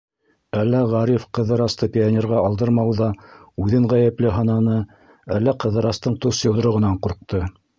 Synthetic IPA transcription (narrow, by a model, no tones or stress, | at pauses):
ælːæʁɑɾifqɤ̆ðɤ̆ɾɑst̪ɤpʲɪanʲeɾʁɑɑlˠd̪ɤɾmɑwðɑʉðɘŋʁæjæplɘɦɑnɑnɤ | ælːæqɤ̆ðɤ̆ɾɑst̪ɤɴt̪usjɤ̆wð̆ɾɤ̆ʁɤ̆nɑɴquɾq̚t̪ɤ